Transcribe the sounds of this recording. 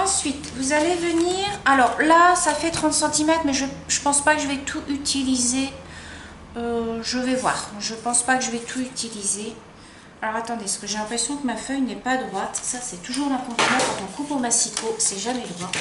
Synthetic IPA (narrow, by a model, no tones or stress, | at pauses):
ɑ̃sɥit̪vuzalevəniʁalɔʁlasafɛt̪χɑ̃t̪sɑ̃t̪imɛt̪χmɛʒəʒ̥əpɑ̃spakəʒəvɛt̪ʰuʔyt̪ʰilize | øʒəvɛvwa̰ːʁʒəpɑ̃spakəʒəvɛt̪ʰuyt̪ʰilize | alɔʁat̪ɑ̃d̪esə̥kəʒelɛ̃pχesjɔ̃kəmafœjnɛpad̪ʁwat̪sasɛt̪uʒuʁɛ̃kɔ̃t̪inɑ̃kɔ̃t̪ɔ̃kupomasik̪ʰosɛʒamɛd̪ʁwa